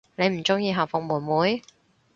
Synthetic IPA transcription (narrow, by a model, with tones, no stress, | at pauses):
ne˨˧jm̩˨˩t͡sʊ˥ŋjiː˧ɦaː˨˩fʊ˨ŋmuː˨˩nmuː˨˧j